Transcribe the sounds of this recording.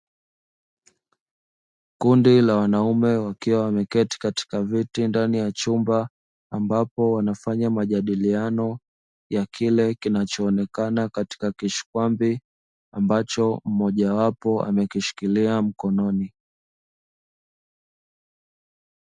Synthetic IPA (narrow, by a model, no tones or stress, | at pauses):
kundilawanaumɛwakiwawamɛkɛti̥kati̥kavitindanijat͡ʃumbaː | mbapɔwanafaɲamaʄaɗilianɔ | jakʰilɛkinat͡ʃɔːnɛkanakati̥kakiʃi̥kwambi | ambat͡ʃɔm̩mɔʄawapɔa̰mɛkiʃi̥kiliam̩kɔnɔni